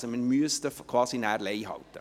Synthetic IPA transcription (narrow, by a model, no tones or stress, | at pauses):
səmənmyəstəfkʰvɑːsinæːɾlɛɪɦɑ̰lt̪ə̰